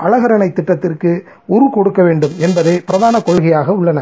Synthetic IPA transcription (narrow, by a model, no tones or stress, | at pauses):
ʔɐlɐɣɐɾɐnɐɪt̪ːɪʈːɐt̪ːɪrkɯ | ʊɾʊkɔɽɯkːɐʋeːɳɖɯmɛnbɐðeːpɪɾɐðaːnɐkɔɭɣɐjaːɣɐʊɭːɐnɐ